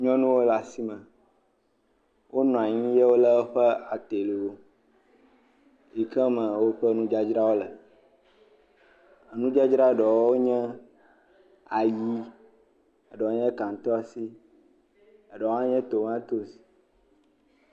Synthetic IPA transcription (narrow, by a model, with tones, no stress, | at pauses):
ɲɔ̃˦nũ˦wo˦la˨si˦mɛ̃˨ | wʔo˦nɔ̃˨a˨ɲĩ˦je˦wo˦lə˦o˦ɸɛ˦a˨t̪e˨lo˨o˦ | ji˨kɛ˦mə̃˨wo˦ɸə˦nũ˦d͡ʒa˦d͡ʒɾa˦wo˦lə˨ | ə˨nũ˦d͡ʒa˦d͡ʒɾa˦˨ɖɔ˨wo˦ɲɛ̃˦ | a˨ji˦ | ə˨ɖɔ˨wo˦ɲɛ̃˦ka˨ŋ̩˨˦t̪ɔ˦a˨si˦ | ə˨ɖɔ˨wo˦ã˦ɲɛ̃˦t̪o˨mã˦t̪o˦si̥˨